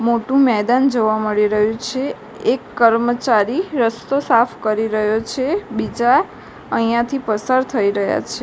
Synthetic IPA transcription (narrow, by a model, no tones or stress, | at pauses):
moʈũmɛd̪and͡ʒoʋaməɭiɾəɦjũt͡ʃʰe | ekːəɾmət͡ʃaɾiɾəst̪osafʰkəɾiɾəɦjot͡ʃʰebid͡ʒa | əijãt̪ʰipəsaɾt̪ʰəiɾəɦja̰t͡ʃʰe